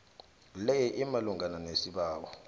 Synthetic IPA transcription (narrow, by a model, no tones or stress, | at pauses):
lɛjiʔimaluŋɡʱananesiɓaːkɔ